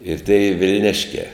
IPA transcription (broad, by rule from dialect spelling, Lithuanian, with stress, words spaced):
ɪr ˈtʲeːɪ ʋʲɪlʲˈnʲɪʃʲkʲæː